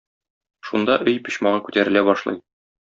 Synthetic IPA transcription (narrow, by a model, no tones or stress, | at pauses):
ʃund̪ɑʔɵjpɵ̆ɕmɑʁɑkʉt̪æɾɘ̆læbɒʃlˠɤ̰j